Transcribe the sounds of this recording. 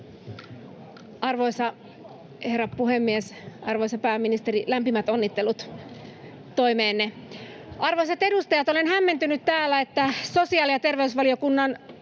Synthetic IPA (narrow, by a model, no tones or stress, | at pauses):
ɑrʋoisɑ | herɑppuhemːiesɑrʋoisɑpæːmːinist̪erilæmpimæt̪onːit̪ːelut̪ | t̪oimeːnːe | ɑrʋoiset̪e̞dust̪ɑjɑt̪olenhæmːent̪ynyt̪t̪æːlːæet̪ːæsosiɑːljɑt̪erʋeysʋɑliokunːɑn